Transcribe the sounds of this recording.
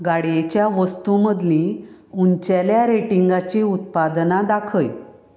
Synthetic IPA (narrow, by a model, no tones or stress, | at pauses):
ɡaɽjet͡ɕjaʋəst̪uməd̪ʱliuɲt͡ɕaljaɾeʈiŋɡat͡ɕiut̪pad̪nad̪akʰəj